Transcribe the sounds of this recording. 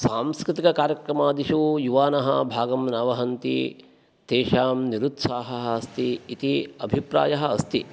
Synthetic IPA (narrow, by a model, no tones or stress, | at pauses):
saːmskɾɪt̪ikɐkaːɾjɐkɾɐmaːd̪iʃujuʋaːnɐɦɐbʱaːɡɐmnɐʋɐɦɐnt̪ḭ | t̪eːʃaːmniɾut̪saːɦɐɦɐɐst̪iːt̪iɐbʱipɾa̰ːjɐɦɐ̆ɐst̪ʰi